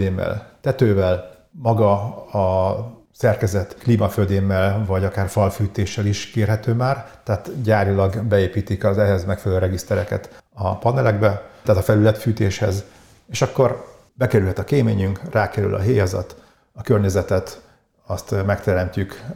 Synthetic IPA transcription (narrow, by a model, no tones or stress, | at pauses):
eːmːɛ̰lt̪ɛt̪øːvɛl | mɒɡɒɒ | sɛrkɛzɛt̪kliːmɒføːd̪eːmːɛlvɒɟɒkaːrfɒlfyːt̪eːʃːɛliʃkeːrɦɛt̪øːmaːrt̪ɛɦaːt̪ɟaːɾilɒɡbɛeːpiːt̪ikɒzɛɦɛzmɛkfɛlløːɾɛɡist̪ɛɾɛkɛ̰t̪ɒpɒnɛlɛɡbɛaːt̪ɒfɛlylɛt̪fyːt̪eːʃhɛ̰z | eːʃɒkːo̞r | bɛkɛɾylɦɛt̪ɒkeːmeːɲyŋkraːkɛɾy̰lʔɒ̰ɦeːjɒzɒ̰t̪ | ɒkørɲɛzɛt̪ɛt̪ | ɒst̪mɛkt̪ɛɾɛmcyk